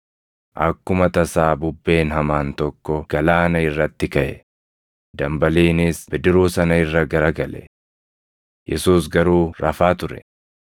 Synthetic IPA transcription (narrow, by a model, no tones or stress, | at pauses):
ʔɐkːʊmɐt̪ɐsaːbʊbːe̞ːnɦɐmaːnt̪ɔkːɔɡ̥ɐlaːnɐɪrːɐt̪ːɪkɐʔɛ | d̪ɐmbɐliːnɪsbɪd̪ɪɾuːsɐnɐɪrːɐɡɐɾɐɡɐlɛ̰ | jʔɛsuːsɡɐɾuːɾɐfaːt̪ʊɾɛ̰